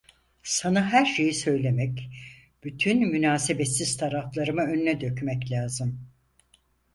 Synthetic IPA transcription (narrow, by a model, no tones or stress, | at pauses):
sanaɦæɾʃe̞jisø̞jlʲe̞mɛc | b̥yt̪ʰynmynaːse̞bet̪siz̥t̪ʰaɾaflˠaɾɯmaønynɛd̪ø̞cʰymɛclʲaːzɯm